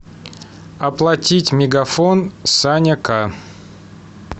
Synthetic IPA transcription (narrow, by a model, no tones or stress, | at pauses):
ɐplˠɐtʲitʲmʲɪɡɐfonsanʲəka